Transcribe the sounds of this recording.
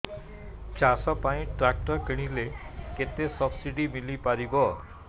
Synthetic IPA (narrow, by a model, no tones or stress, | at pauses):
t͡ɕasɔpaĩʈɾak̚ʈəɾkəɽ̃ileket̪esəbsiɖimilipaɾibɔ